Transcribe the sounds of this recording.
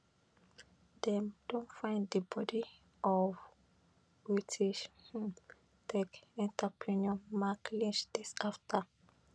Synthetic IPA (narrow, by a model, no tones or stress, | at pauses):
dɛ̃md̥ɔ̃ntfãɪ̃nd̪əbɔdi | ʔɔv | bɹitʰiʃ | tɛkɛ̃ntʰəpʰɹĩnɔ̃nmaklĩnt͡ʃd̪̥isaftʰə